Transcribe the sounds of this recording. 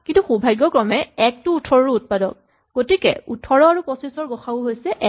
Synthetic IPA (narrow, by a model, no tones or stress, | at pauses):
kintuxubʱajɡːɔkɹɔmɛɛk̚tuːtʰɔɹɔɹuut̚padɔ̰k̚ | ɡ̥otikɛ̰utʰɔɹɔaɹupɔsisɔɹɡɔxʰaʊɦojsɛʔɛ